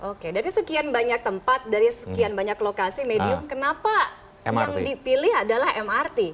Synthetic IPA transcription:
ʔokedaɾisəkianbaɲak̚t̪əmpat̪̚daɾisə̥kianbaɲaklokasimediʊmkənapa̰ | j̰aŋdipilɪɦadalahɛmart̪i

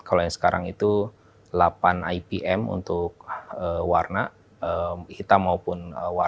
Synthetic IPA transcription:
kalojaŋsə̥kaɾa̰ŋit̪u | lapana̰jibiʔɛmṵnt̪ʊk̚əwarna | əkit̪amaupʊnəwa

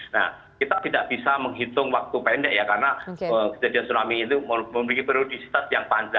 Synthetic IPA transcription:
na̰h | kit̪at̪idaʔb̥isaməŋɦit̪ʊŋwak̚t̪upɛndɛʔjakarnaəkəd͡ʒadiansunamiːt̪uməməməlikipɾiodisi̥t̪asjaŋpand͡ʒa

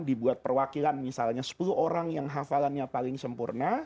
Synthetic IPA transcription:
dibuat̪̚pərwakilanmisalɲasə̥puluoɾaŋjaŋɦafalanɲapalɪŋsəmpurna

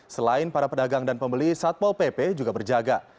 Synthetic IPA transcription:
səlaɪnpaɾapədaɡaŋdanpəmbəlisat̪̚walpepɛd͡ʒuɡabərd͡ʒaɡa

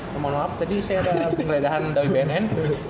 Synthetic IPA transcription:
mamaŋnoap̚t̪adisajadapəŋəledaɦandawibɛɛnɛn

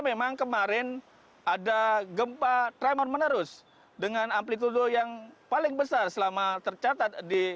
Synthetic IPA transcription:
memaŋkəmaɾɪn | adaɡəmpat̪ɾamɔrmənəɾʊs | dəŋanamplit̪̬udojaŋpalɪŋbəsarsəlamat̪ərt͡ʃat̪at̪̚di

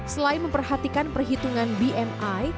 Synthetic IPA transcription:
səlainməmpərhat̪ikanpərɦit̪uŋanbiʔɛmaj

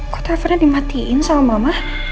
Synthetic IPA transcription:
ko̥t̪afanadimat̪iʔɪnsaamamah

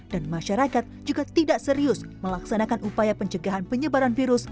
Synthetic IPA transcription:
d̥anmaʃaɾakat̪̚d͡ʒuɡat̪idaʔsəɾiʊsməlaksanakanupajapəɲt͡ʃəɡaɦanpəɲəbaɾanfiɾʊs

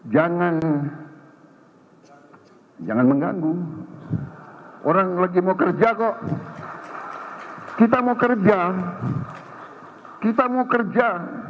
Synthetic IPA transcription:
d͡ʒaŋan | d͡ʒaŋanməŋɡaŋɡu | oɾaŋlaɡimawkərd͡ʒakɔʔ | kit̪̬amawkərd͡ʒa | kit̪amawkərd͡ʒa

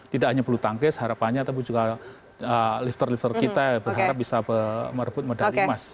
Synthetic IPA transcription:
t̪idaʔkhaɲapərlut̪aŋkɛsəɦaɾapanɲat̪ap̬id͡ʒuɡa | əlɪft̪ərlift̪ərkit̪abərɦaɾap̚bisapəməɾəbʊt̪̚mədaimas

